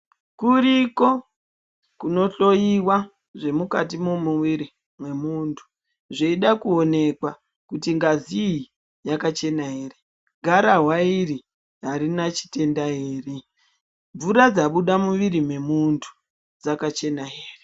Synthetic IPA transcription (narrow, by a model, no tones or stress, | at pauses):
kuɾiko̞ | kuno̞ɬo̞jiwa | ʐe̞mukatimomuwiɾi | mwe̞muntʰu̥ | ʐeiɗakuo̞ne̞kwa | kutiŋɡazii | jakat͡ʃe̞naɦeːre | ɡʱaɾaɦwairi | ɦaɾinat͡ʃi̥te̞ndaɦeːre | ɱvuɾad͡zaɓuɗamuʋiɾimwe̞muntʰu̥ | d͡zakat͡ʃe̞naɦeːre